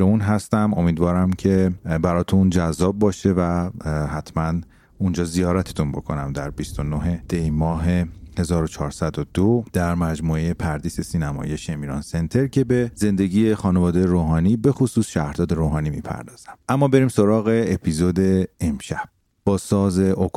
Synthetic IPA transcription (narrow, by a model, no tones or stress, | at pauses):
eunɦæst̪æmo̞miːd̪vɒːɾæmcʰe̞bæɾɒːt̪ʰund͡ʒæzːɒːbːɒːʃe̞væɦæt̪ʰmæn | und͡ʒɒːzijɒːɾæt̪ʰet̪ʰunbo̞̰kʰo̞̰næmd̪æɾbist̪o̞noɦe̞d̪̥ejmɒːɦe̞he̞zɒːɾot͡ʃʰɒːɾsæd̪od̪od̪̥æɾmæd͡ʒmuːe̞jepʰæɾd̪iːse̞siːnæmɒ̰jeʃemiːɾɒ̰ːnse̞nt̪ʰe̞ɾcʰe̞beze̞nd̪e̞ɟiːjexɒːnevɒːd̪ejeɾoːɦɒːniːbe̞xosuːsʃæhɾd̪ɒːd̪e̞ɾoːɦɒːniːmḭːpʰæ̰ɾd̪ɒːz̥æmʔæmːɒːbe̞ɾiːmso̞ɾɒːɣe̞epʰiːzod̪e̞emʃæb̥̚ | b̥ɒːsɒːze̞ʔok